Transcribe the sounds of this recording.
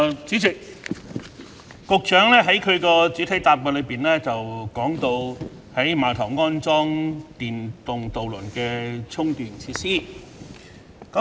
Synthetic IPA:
t͡siː˨˥t͡sʰɪ˨˩ | kʊ˨k̚t͡ʃœː˨˥ŋlɛː˥ɦɐ˨˥jkʰɵ˨˧ɥkɔː˧t͡sy˨˥t̪ʰɐ˨˥jt̪aː˨p̚mɔː˧˩lɵ˨˧ɥpiː˨nlɛː˥t͡sɐ˨wkɔː˨˥ŋt̪o˧w | hɐ˨˥jmaː˨˩t̪ʰɐ˨˩wŋɔː˥nt͡sɔː˥ŋt̪iː˨nt̪ʊ˨ŋt̪o˨wlɵ˨˩nkɛː˧t͡sʰʊ˥ŋt̪yː˨nt͡sʰiː˧t̚siː˥ | kɐ˨˦˥

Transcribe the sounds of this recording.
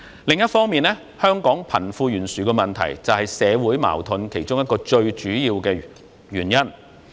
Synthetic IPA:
lɪ˨ŋjɐ˥t̚fɔː˥ŋmiː˨nlɛ˥ | hœː˥ŋkɔː˨˥ŋpʰɐ̰˨˩nfuː˧jyː˨˩nsyː˨kɛ˧mɐ˨nt̪ʰɐ̰˨˩jt͡sɐ˨whɐ˨jsɛː˨˧wuː˨˥jma̰ː˨˩wt̪ʰʊ˨˧nkʰe˨˩jt͡ʃʊ˥ŋjɐ˥t̚kɔː˧t͡ʃɵ˧ɥt͡ʃyː˨˥jiː˧wkɛː˧ | jyː˨˩njɐ˥n

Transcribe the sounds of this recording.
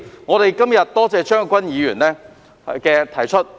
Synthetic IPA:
ŋɔː˨˧ɾe˨jkɐ˥mjɐ˨t̚t̪ɔː˥t͡sɛː˧t͡ʃœː˥ŋkʷɐ˥njiː˨˧jyː˨˩nlɛː˥ | kɛː˧t̪ʰɐ˨˩jt͡ʃʰɵ˥t̚

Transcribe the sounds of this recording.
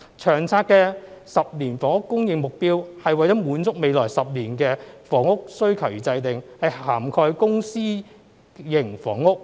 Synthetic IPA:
t͡ʃʰœː˨˩ŋt͡sʰaː˧t̚kɛː˧sɐ˨p̚niː˨˩nfɔː˨˥ŋʊ˥kːʊ˥ŋjɪ˨˧ŋmʊ˨k̚piː˥whɐ˨jwɐ˨jt͡sɔ˦˥muː˨˥nt͡sʊ˥k̚me˨˧jlɔː˨˩jsɐ˨p̚liː˨˩nkɛː˧fɔː˨˥ŋʊ˥k̚sɵ˥ɥkʰɐ˨˩wjiː˨˩t͡sɐ˧jt̪ɪ˨ŋhɐ˨jhaː˨˩mkʰɔː˧jkʊ˥ŋsiː˥ | jɪ˨˩ŋfɔː˨˥ŋʊ˥k̚

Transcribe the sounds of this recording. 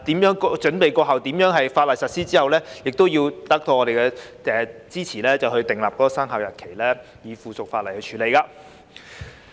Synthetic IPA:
t̪iː˨˥mjœː˨˥ŋkɔ˧t͡ʃɵ˨˥npe˨jkɔː˧ɦɐ˨wt̪iː˨˥mjœː˨˥ŋɦɐ˨jfaː˧t̚lɐ˨˩jsɐ˨t̚siː˥t͡siː˥hɐ˨wlɛː˥jɪ˨k̚t̪o˥wjiː˧wt̪ɐ˦˥k̚t̪ʰo˧wŋɔː˨˧ɾe˨jkɛː˧ɛ˨˩t͡siː˥t͡sʰiː˨˩lɛː˥t͡sɐ˨whɵ˧ɥt̪ɪ˨˩ŋlaː˨p̚kɔ˨˦˥kɔː˨˧saː˥ŋɦaː˨wjɐ˨t̚kʰe˨˩jlɛː˥ | jiː˨˧fuː˨˩sʊ˨k̚faː˧t̚lɐ˨˩jhɵ˧t͡ʃʰyː˨le˨˧jkaː˧

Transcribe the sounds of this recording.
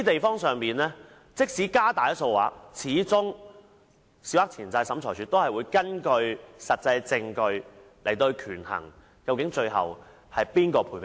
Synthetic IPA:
t̪e˨jfɔː˥ŋsœː˨ŋpiː˨nlɛː˥ | t͡sɪ˥k̚siː˨˥kaː˥t̪aː˨jɐ˥t̚so˧wa̰ː˨˥k̚t͡sʰiː˨˥t͡sʊ˥ŋ | si˨˥wa˥k̚t͡sʰiː˨˩nt͡sɐ˧jsɐ˨˥mt͡ʃʰɔː˨˩jsʰyː˨˧t̪o˥hɐ˨jwuː˨˧jkɐ˥nkɵ˧ɥsɐ˨t̚t͡sɐ˧jt͡sɪ˧ŋkɵ˧ɥ | le˨˩jt̪o˧kʰyː˨˩nhɐ̰˨˩ŋ | kɐ˧wkɪ˨˥ŋt͡ʃɵ˧ɥɦɐ̰˨w | hɐ˨jpiː˥nkɔː˧pʰuː˨˩jp

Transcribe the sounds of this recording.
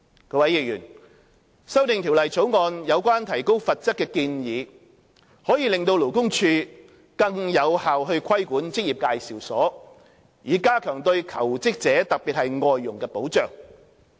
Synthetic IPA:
kɔː˧˥wɐ˨˥jiː˨k̚jyː˨˩n | sɐ˥wt̪ɪ˨ŋt̪ʰi˨˩wlɐ˨˩jt͡sʰo˨˥wŋɔː˨˧njɐ˨˧wkwaː˥nt̪ʰɐ˨˩jko˥wfɐ˨t̚t͡sɐ˥kːɛː˧kiː˧njiː˨˧ | hɔː˨˥jiː˨˧lɪ˨ŋt̪o˧wlo˨˩wkʊ˥ŋt͡ʃʰyː˧ | kɐ˧ŋjɐ˨˧whaː˨wɦɵ˧kʰɐ˥jkuː˨˥nt͡sɪ˥k̚ji˨p̚kaː˧jsiː˨˩wsɔː˨˥ | jiː˨˧kaː˥kʰœː˨˩ŋt̪ɵ˧ɥkʰɐ˨˩wt͡sɪ˥k̚t͡sɛː˨˥t̪ɐ˨k̚piː˨t̚hɐ˨jŋɔː˨jːʊ˨˩ŋkɛː˧po˨˥wt͡ʃœː˨ŋ

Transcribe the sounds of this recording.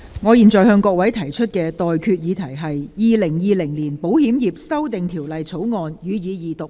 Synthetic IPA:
ŋɔː˨˧jiː˨nt͡sɔː˨˩jhœː˧ŋkɔː˧k̚wɐ˨˥jt̪ʰɐ˨˩jt͡ʃʰɵ˥t̚kɛː˧t̪ɔː˨jkʰyː˧t̚jiː˨˧t̪ʰɐ˨˩jɦɐ˨jjiː˨lɪ˨˩ŋjiː˨˧lɪ˨˩ŋliː˨˩npo˨˥whiː˨˥mjiː˨p̚sɐ˥wt̪ɪ˨ŋt̪ʰiː˨˩wlɐ˨jt͡sʰo˨˥wŋɔː˨njyː˨˧jiː˨˧jiː˨˧t̪ʊ˨k̚

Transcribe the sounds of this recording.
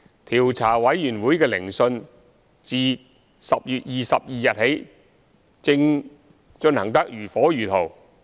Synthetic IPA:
t̪ʰiː˨˩wt͡sʰaː˨˩wɐ˨˥jːyː˨˩nwuː˨˥jkɛː˧lɪ˨˩ŋsɵ˧n | t͡siː˨˧ | sɐ˨p̚jyː˨t̚jiː˨sɐ˨p̚jiː˨jɐ˨t̚he˨˥j | t͡sɪ˧ŋ | t͡ʃɵ˧nhɐ˨˩ŋt̪ɐ˥k̚jyː˨˩fɔː˨˥jyː˨˩t̪ʰo˨˩w

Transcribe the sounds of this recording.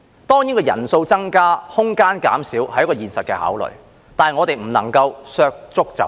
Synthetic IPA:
t̪ɔː˥ŋjiː˨˥nkɔː˧jɐ̰˨˩nso˧wt͡sɐ˥ŋkaː˥hʊ˥ŋkaː˥nka̰ː˨˥msiː˨˥whɐ˨jːkɔː˧jiː˨˩nsɐ˨t̚kɛː˧ha̰ː˨˥wlɵ̰˨˩ɥ | t̪aː˨ɐ˨jŋɔ˨˧t̪e˨jm̩˨˩nɐ˨˩ŋkɐ˧wsœː˧k̚t͡sʊ˥k̚t͡sɐ̰˨˥w

